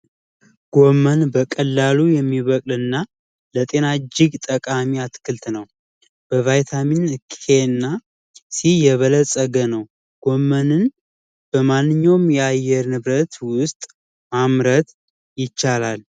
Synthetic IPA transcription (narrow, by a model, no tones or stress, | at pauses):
ɡ̥o̞mənbəkʼəlːalujɛmːiβəkʼlɨnːa | lət̪ʼe̞nad͡ʒɪɡt̪ʼəkʼamiat̪kʰɨlt̪nəw | b̥əvajt̪ʰaminkʰenːa | sijɛβələsʼəɡənəw | ɡ̥o̞mːənɨn | b̥əmanːɨɲːawmjɛajɛɾnɨβɾət̪wʊst̪ʼ | mamɾət̪ | jɪt͡ʃːalal